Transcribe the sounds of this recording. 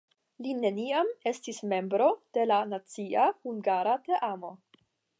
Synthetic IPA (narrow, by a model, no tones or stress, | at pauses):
line̞niame̞stisme̞mbɾo̞d̥e̞lanat͡siahuŋɡaɾate̞ʔamo̞